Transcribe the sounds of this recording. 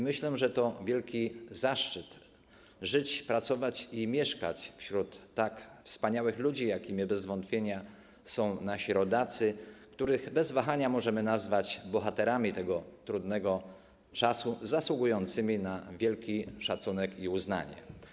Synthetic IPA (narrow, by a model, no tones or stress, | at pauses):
mɘɕlɛʐɛt̪ɔvʲjɛlkʲizaʂt͡ʂɘt̪ | ʐɘt͡ɕpɾat̪sɔvat͡ɕimʲjɛʂka̰t͡ɕfɕɾut̪ːakfspaɲawɘxlud͡ʑijakʲimʲibɛzvɔnt̪fʲjeɲa | sɔ̃w̃naɕiɾɔd̪at̪sɘkt̪uɾɘɣbɛzvaxaɲamɔʐɛmɘnazvat͡ɕbɔxat̪ɛɾamʲit̪ɛɡɔt̪ɾud̪nɛɡɔ | t͡ʂasuzaswuɡujɔnt̪sɘmʲinavʲjɛlkʲiʂat̪sunɛkiuzna̰ɲɛ̰